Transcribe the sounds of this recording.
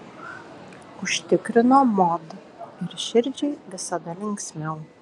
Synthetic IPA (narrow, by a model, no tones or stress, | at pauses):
ʊʃʲt̪ʲɪkɾʲɪnoːmɔd̪ | ɪɾʃʲɪɾʲd͡ʒʲɛɪʋʲɪsɐd̪ɐlʲɪŋʲksʲmʲɛʊ